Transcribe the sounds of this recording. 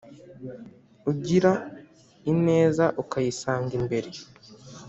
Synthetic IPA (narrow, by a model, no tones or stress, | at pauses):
uɟiɾa | ine̞ːzaʔukajisaːŋɡimbe̞ɾe